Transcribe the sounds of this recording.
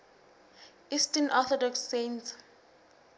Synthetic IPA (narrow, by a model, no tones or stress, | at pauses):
istɛnʔɔθɔdɔksːẽns